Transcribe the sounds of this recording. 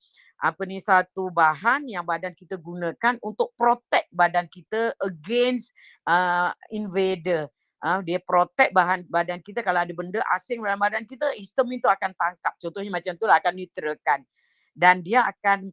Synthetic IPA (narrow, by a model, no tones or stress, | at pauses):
ʔapənisat̪ubaɦanjaŋbadankit̪əɡunãkanunt̪ʊk̚pɾot̪ɛk̪̚badankit̪əəɡens | əinvedə | ʔədiapɾot̪ɛk̚baɦanbadankit̪əkalaadəbəndəʔa̰sɪŋdalambadankit̪əist̪əmint̪uakant̪aŋkap̚t͡ʃɔnt̪ɔhɲamat͡ʃamt̪ulaakanːit̪ɾəkan | dandiaːkan